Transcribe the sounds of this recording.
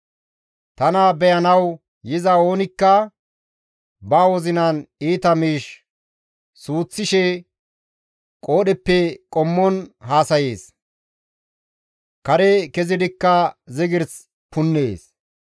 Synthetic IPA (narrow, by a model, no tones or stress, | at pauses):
t̪ɐnabɛjɐnɐw | jɪzɐo̞ːnɪkːɐ | baːwɔzɪnɐniːt̪ɐmiːʃ | suːt͡sːɪʃɛ | kʼo̞ːɗɛpːɛkʼɔmːɔnɦaːsɐje̞ːs | kɐɾɛkɛzɪd̪ɪkːɐzɪɡɪɾs | pʊnːeːs